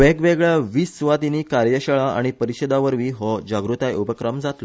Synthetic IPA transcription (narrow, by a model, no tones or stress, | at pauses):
ʋeɡʋeɡɭaʋiːsːʋat̪iniːkaɾjəɕəɭaa̰ɽ̃ipəɾiɕəd̪aʋəɾʋiɦɔd͡ʑaɡɾut̪ajupəkɾəmd͡zat̪lɔ